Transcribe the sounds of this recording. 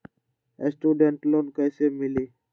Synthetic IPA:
esʈjuːɖeɳʈloːnkəisemɪliː

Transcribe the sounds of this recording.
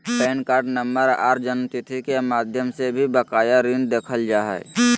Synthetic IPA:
pɛːnkaːɾɖnəmbəɾa̰ːɾd͡ʒənt̪it̪ʰikemaːd̪ʱjəmsebʱibəkaːjaɾind̪eːkʰəld͡ʒaːɦɛ̰ː

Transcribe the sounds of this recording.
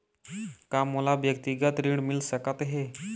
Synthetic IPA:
kamːəlaʋjəkt̪iɡət̪ɾiɽmilsəkat̪ɦe

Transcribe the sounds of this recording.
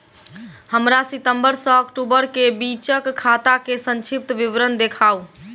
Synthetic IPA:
həmɾasit̪əmbəɾsə̃ːkʈubəɾkebit͡ʃəkkʰːat̪akesə̃nt͡ʃʰip̚t̪ʋiʋɾənd̪ekʰau

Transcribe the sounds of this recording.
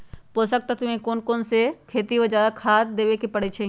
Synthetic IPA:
poːsək̚t̪at̪ʊẽkoːnkoːnsekʰeːt̪iɦod͡ʒaːd̪akʰaːd̪eːʋekepəɽet͡ʃʰe

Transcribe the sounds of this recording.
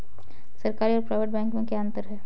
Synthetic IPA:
sɐɾkaːɾiɔːɾpɾaːʋeʈ̚bɛ̃ːŋkmẽkeɐ̃nt̪əɾɦɛː

